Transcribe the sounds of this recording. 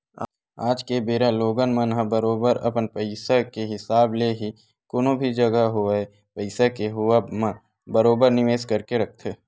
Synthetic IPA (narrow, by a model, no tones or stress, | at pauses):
aːd͡ʒkebeːɾaloːɡənmɐ̃nɦãbəɾoːbəɾɐpənpəɪsakeɦɪsaːbleɦi | koːnõbʱid͡ʒɐɡaɦoe | pəɪsakeɦʊamã | bəɾoːbəɾnɪʋeːskɐɾkeɾɐk̚ʰt̪ʰeː